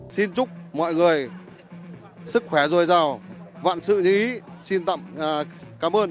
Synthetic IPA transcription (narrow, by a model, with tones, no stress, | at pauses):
si˧nt͡ɕʊ˦˥k͡p̚mɔ̰˧˨jŋɨ˨˩əj | sɨ˦˥k̚xwɛ˧˩zo˧˩jzaː˧˩wva̰ː˧˨nsɨ̰˧˨ɲɨ˧ʔi˨˦si˧nt̪a̰˧˨mː˨˩kaː˨˦mʔəː˧n